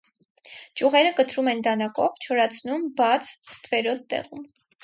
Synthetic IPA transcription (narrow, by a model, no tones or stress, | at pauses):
t͡ʃuʁɛɾəkət̪ʰɾumɛnd̪ɑnɑkɔvt͡ʃʰɔɾɑt͡sʰnumbɑt͡sʰst̪vɛɾɔd̪t̪ːɛ̰ʁum